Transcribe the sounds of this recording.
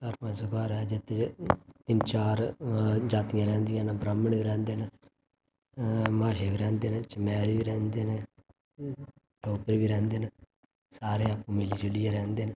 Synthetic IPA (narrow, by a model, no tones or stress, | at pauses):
kəɾpãːsʊkaːɾɛd͡ʒɪt̪ʰːet̪ɪnt͡ʃaːɾd͡ʒaːt̪ɪjãːɾɛ̃ːnd̪ɪjãːnbɾəmːəɳbiːɾɛ̃ːnd̪eːn | maːʃeːʋiːɾɛ̃ːnd̪eːnet͡ʃəmɛːɾʋiːɾɛ̃ːnd̪eːne | ʈoːkəɾbiːɾɛ̃ːnd̪eːn | saːɾeːapːũːmɪliːd͡ʒʊlɪjãːɾɛ̃ːnd̪eːn